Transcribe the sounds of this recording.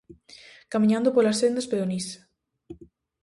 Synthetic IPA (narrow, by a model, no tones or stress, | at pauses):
kamĩɲãnd̪opolasθend̪aspeðonis